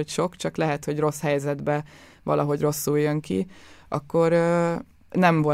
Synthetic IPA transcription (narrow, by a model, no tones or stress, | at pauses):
ocʃo̞kt͡ʃɒklɛɦɛt̪ho̞ɟro̞shɛjzɛd̪bɛ | vɒ̰lʔɒɦo̞ɟro̞sːujjøŋkiɒ̰kːo̞ɾøː | nɛɱvo